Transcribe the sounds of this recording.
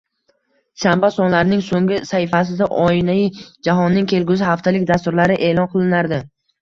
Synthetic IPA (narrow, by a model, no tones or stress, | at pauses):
ʃambasɒnlaɾɪnɪŋsoŋɡʲɪsahɪfasɪd̪aʔɒɪnaɪd͡ʒaɦɒnːɪŋkʲʰe̞lɡʲʊsɪhaft̪ʰalɪkʲd̪ast̪ʊɾlaɾɪʔe̞ːlˠɒnqʰɨlˠɪnaɾd̪ɪ